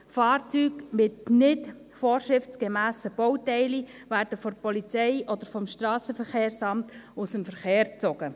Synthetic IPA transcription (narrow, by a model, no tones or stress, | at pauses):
fɑːrt͡syːɡmɪtnɪt | fɔːɾʃɾɪft͡sɡ̥ɛmæːsəb̥ɔwtɛɪli | væːɾd̥əfɔɾpɔlit͡sɛɪʔɔd̥̪əɾfɔmʃtɾɑːsəfəɾχeːɾsɑmtʊsəmfəɾχeːɾt͡sɔɡ̥ə